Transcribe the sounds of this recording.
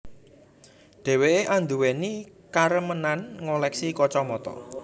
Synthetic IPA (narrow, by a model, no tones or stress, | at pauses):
dɖ̥ɛ̤weeʔand̪uweni | kaɾəmənanŋolɛksikɔt͡ʃɔmɔt̪ɔ̰